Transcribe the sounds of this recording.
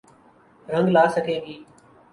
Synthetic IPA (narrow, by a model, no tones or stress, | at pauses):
ɾə̃ŋɡlaːsəkʰeːbiː